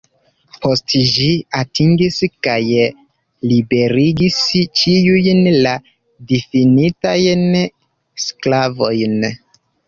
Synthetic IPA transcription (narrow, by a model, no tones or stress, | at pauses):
pʰo̞stʒiatʰiŋɡiskaj | libe̞ɾiɡist͡ʃiujnla | difinitajn | sklavo̞jn